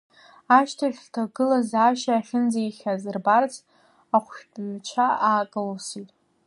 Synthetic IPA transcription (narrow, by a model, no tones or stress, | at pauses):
aʃtʰaχʲtʰaɡɨlazaːʃaːχʲɪnd͡zaiχʲazɨrbart͡sʰ | aχʷʃpʼɥt͡ʃʷʰaaːkʼɨlsitʼ